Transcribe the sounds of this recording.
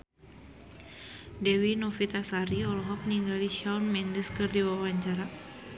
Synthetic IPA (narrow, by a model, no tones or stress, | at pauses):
dɛwinɔfit̪asaɾiɔlɔɦɔp̚niŋɡaliʃawnmɛndəskɨrdiwawaɲt͡ʃaɾa